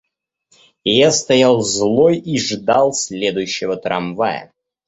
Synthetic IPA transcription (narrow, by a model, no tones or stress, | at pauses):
jast̪ɐjalˠzlˠojiʐd̪alˠsʲlʲed̪ʊjʉɕːɪvət̪ɾɐmvajə̰